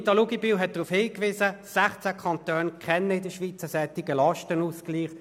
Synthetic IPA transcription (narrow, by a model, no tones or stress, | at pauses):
tɑluɡibiːwɦɛt̚d̥ʁuːfhɪːkʋɪːsəsæχt͡sækʰɑnt̪øːnkʰɛnːəɪdəʃʋit͡səsɛt̪ɪɡəlɑʃtənuskliːχ